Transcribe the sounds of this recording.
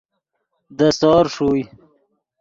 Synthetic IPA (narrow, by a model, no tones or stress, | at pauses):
d̪əsɑːɾʂoj